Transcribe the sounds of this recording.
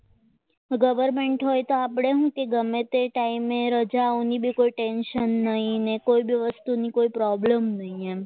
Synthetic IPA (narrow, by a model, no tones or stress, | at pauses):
ɡəʋəɾmeɳʈɦojt̪oapɽ̃eɦũkeɡəmːet̪eʈaimeɾəd͡ʒaonibʱikoiʈenʃənːəɦĩnekoibʱiʋəst̪unikoipɾɔbləmnəɦĩe